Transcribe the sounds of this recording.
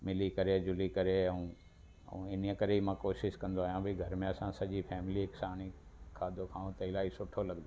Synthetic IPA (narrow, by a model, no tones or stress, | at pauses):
mɪlikɐɾed͡ʑʊlikɐɾeɐũ | ɐ̰ũɪn̤ijəkɐɾeimãkoːʃɪʃkɐ̃nd̪oaːjãbʱiɡʱɐɾmẽɐsãsɐʄifʰɛːmɪliɦɪksaːɽ̃ikʰaːd̪okʰãːũt̪ɐɪlaːɦisʊʈʰolɐɡd̪o